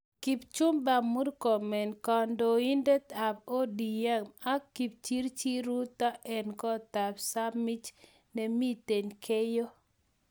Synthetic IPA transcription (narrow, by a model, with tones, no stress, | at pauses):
ki˨pt͡ʃu˦mba˨mu˦rkɔ˨mɛ˨nkɔ˨ndɔ˨i˦nde˦t̪a˨bo˦di˨ɛ˦ma˦kːi˨p̚t͡ʃi˦ɾt͡ʃi˦ɾu˦t̪a˦ʔɛ˨nkɔ˦t̪a˨psa˦mɪ˦t͡ʃ | ne˨mi˦te˨ɲkʰe˦jo˦